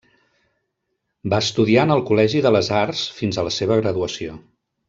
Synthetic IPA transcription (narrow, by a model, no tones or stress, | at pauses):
baəst̪uðianəlˠkulɛʒiðələzarsfinzələseβ̞əɣɾəðuəsio